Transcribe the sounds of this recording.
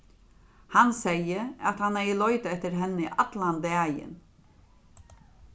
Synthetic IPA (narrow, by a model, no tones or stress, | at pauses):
hansɛjːəat̪hanɛjlɔʏt̪aɛht̪ɪɾɦɛnːɪʔat̪land̪ɛːjɪ̰n